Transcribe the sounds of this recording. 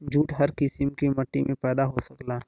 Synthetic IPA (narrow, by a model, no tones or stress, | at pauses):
d͡ʒʱuːʈɦɐɾkɪsɪmkimɐʈːimʔẽpɛːd̪aɦosɐklaː